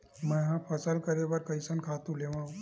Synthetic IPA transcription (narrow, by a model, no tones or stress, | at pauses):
mə̃ɦãpʰəsəlkəɾebɐɾkəjsənkʰat̪ũleʋãũ